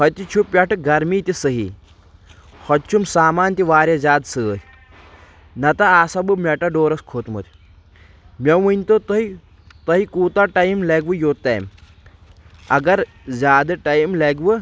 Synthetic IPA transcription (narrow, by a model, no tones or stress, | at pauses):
kɐt̪it͡ʃʰupːjʲaʈɨɡɐɾmiːt̪isəɦḭ | hɔt̪̚t͡ʃʰumsaːmaːnt̪iʋaːɾjɐzaːd̪səːɾʲ | nɐt̪aasabɨmʲɛʈɐɖoːɾɐskʰoːt̪mɐ̰t̪ʰʲ | mʲɐʋunʲt̪ot̪ɐi | t̪ɐɦikuːt̪aʈajmleɡʋɨjoːt̪a̰jm | ɐɡɐɾ | zʲaːd̪ɨʈajimleɡʋɨ